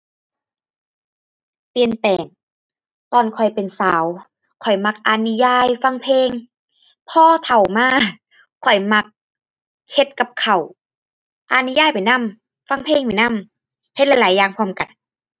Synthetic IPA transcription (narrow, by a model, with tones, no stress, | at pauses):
pi˧ənp̪ɛː˨˩ŋ | t̪ɔː˧˩nkʰɔ˨˩jpe˨nsaː˨˦w | kʰɔ˨˩jma˧˥k̚ʔa˧ni˧jaː˧˥˩jfa˧˥˨ŋpʰeː˧˨ŋ | pʰɔː˧t̪ʰa˨˩wmaː˧˨ | kʰɔ˨˩jma˧k̚ʰː | e˧˦t̪̚ka˧˦p̚kʰa˨˩w | ʔa˧ni˧˦jaː˧˥˨jpa˨˩jna˧˥˨m | fa˧˥˨ŋpʰeː˧˨ŋpa˨˩jna˧˥˨m | he˧t̪̚la˧˥jlaː˨˦jaː˧˩ŋkʰu˧˥˨mka˨˩n